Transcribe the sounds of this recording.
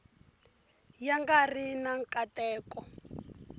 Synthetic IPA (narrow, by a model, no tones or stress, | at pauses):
jaŋɡarinaŋkʼatɛːkɔ